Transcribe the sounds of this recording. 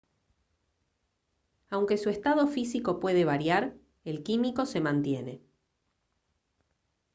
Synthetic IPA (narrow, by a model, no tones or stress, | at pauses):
awŋke̞suest̪aðo̞fisiko̞pwe̞ð̞e̞β̞aɾjaɾ | e̞lkimiko̞se̞mãnt̪je̞ne̞